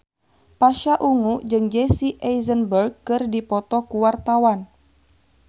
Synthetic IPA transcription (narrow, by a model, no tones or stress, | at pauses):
paʃaʔuŋud͡ʒɨŋd͡ʒɛsiʔɛizənbərɡ̚kɨrdipɔt̪ɔkuwart̪awan